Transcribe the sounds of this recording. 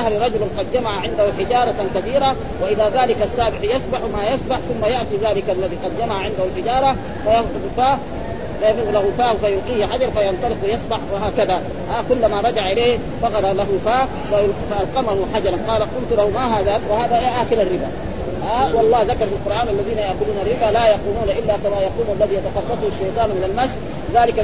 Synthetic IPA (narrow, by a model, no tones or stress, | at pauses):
ahɾiɾˤɑd͡ʒʊlaqɑd̪̚d͡ʒamaʕaʕɪnd̪ahuħɪd͡ʒɑːɾˤɑt̪kaθiːɾa | waʔɪðaːðaːlɪkasːaːbɪħjɑsˤbaħmaːjasˤbaħθʊmːajaʔt̪iðaːlɪkalːaðiːqɑd̪d͡ʒamaʕaʕɪnd̪ahulħɪd͡ʒɑːɾˤɑ | fajɑt̪ʊffaː | fajɑlahufaːhfajʊlqiːhħad͡ʒɑɾˤfajɑnt̪ˤɑlɪqwajɑsˤbaħwaɦaːkaða | ʔakʊlːamaɾˤɑd͡ʒaʕʔɪleːh | fɑqɑɾˤɑlaɦufaː | walfaʔalqɑmahuħad͡ʒɑɾˤɑnqɑːlaqʊlt̪ulahumaɦaːðawɪhaːðajaːʔakɪlarːɪba̰ | ʔawɑlˤːɑːhðakɑɾˤfilqʊɾˤʔaːnʔalːaðiːnajaʔkʊluːnarːɪbaːlaːjaquːnuːnaʔɪlːaːkamaːjɑquːlmalːaðijat̪ɑxɑdˤːɑt̪ˤhuʃːɑjt̪ˤɑːnmɪnalmasħ | ðaːlɪka